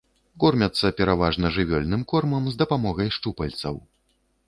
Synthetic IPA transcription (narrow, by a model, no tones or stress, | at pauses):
kɔrmʲɐt̪sːɐpʲɛɾavaʐnɐʐɨvʲɔlʲnɨmkɔrmɐmzd̪ɐpamɔɣɐjʂt͡ʂupɐlʲt̪sɐ̰w